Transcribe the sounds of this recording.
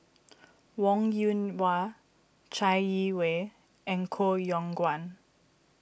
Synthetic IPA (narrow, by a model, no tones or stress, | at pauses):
wɔ̃ŋjunwa | t͡ʃaɪjiwe | ɛ̃nkʰojɔ̃ŋɡwãn